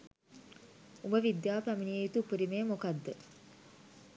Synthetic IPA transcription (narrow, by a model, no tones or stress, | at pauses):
ubəʋid̪jaːpæminiejit̪upiɾimeːmokad̪ːə